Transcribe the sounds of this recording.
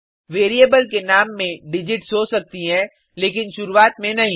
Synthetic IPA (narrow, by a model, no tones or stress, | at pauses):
ʋeːɾiəbəlkenaːmːẽɖɪd͡ʒɪʈsɦosɐk̚t̪iɦɛ̃ | leːkɪnʃʊɾuaːt̪mẽnɐɦĩ